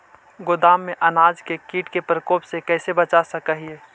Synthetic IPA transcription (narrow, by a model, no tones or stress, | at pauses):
ɡʊd̪aːmːẽʔɐnaːd͡ʒkekiːʈkepɾəkoːpsekɛːsebət͡ʃasɐkəɦieː